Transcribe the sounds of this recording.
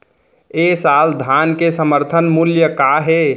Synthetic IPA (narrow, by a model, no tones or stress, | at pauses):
esald̪ʱankesəməɾt̪ʰənmuljəkaɦe